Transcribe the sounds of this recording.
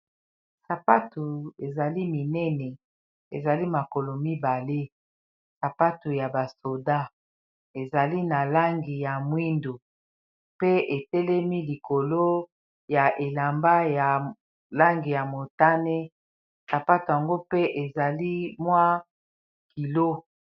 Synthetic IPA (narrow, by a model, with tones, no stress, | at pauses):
sa˨pa˦tu˨e˨za˨li˦mi˨nɛ˦nɛ˨ | ḛ˨za˨li˦ma˨ko˨lo˨mi˦ba˨le˦ | sa˨pa˦tu˨ja˨ba˨so˨da˦ | e˨za˨li˦na˨la˦ŋɡi˨ja˨mwi˦ndo˨ | pe˦e˨tɛ˦lɛ˦mi˦li˨ko˨lo˦ | ja˨ʔe˨la˨mba˦ja˨ | la˦ŋɡi˨ja˨mo˨ta˦ne˦ | sa˨pa˦tu˨ja˨ŋɡo˦pe˦ʔe˨za˨li˦mwa˦ | ki˨lo˦